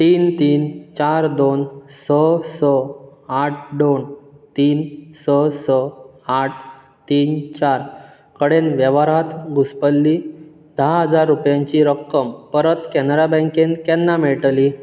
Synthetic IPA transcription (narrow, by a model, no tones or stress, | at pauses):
t̪iːnt̪iːnt͡ɕaɾd̪onsəsəaʈ̚ʰɖont̪iːnsəsə | aʈʰ | t̪iːnt͡ɕaɾ | kəɽenʋjəʋaɾat̪ɡuspəlːi | d̪aɦəd͡zaɾːupjãɲt͡ɕiɾəkːəmpəɾət̪kɛnɾabə̃ŋkenkɛnːameɭʈli